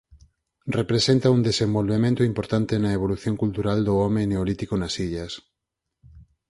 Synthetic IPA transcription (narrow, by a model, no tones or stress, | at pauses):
repɾesent̪ɐund̪esẽmbolβemẽnt̪ʊimpoɾt̪ant̪enɐeβ̞oluθjoŋkult̪uɾald̪ʊɔmeneolit̪ikonɐsiʎɐs